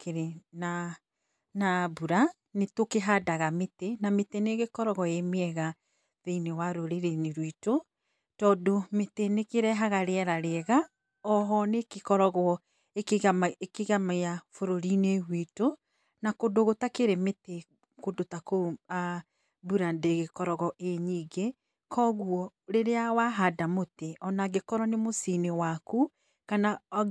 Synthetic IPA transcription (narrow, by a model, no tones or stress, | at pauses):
keɾena | nabuɾa | netokeɦadaɣametenameteneɣekɔɾɔɣɔemeɛɣa | ðeinewaɾoɾeɾeneɾwito | tɔːdometenekeɾɛɦaɣaɾeɛɾaɾeɛɣa | ɔɦɔnekekɔɾɔɣɔ | ekɣamaekeɣamajafoɾoɾineɣwito | nakodoɣotakeɾemete | kodotakoa | buɾandeɣekɔɾɔɣɔʔeɲiːɡe | kʰɔɣwɔɾeɾeawaɦadamoteɔnaɣekɔɾɔnemosinewaku | kana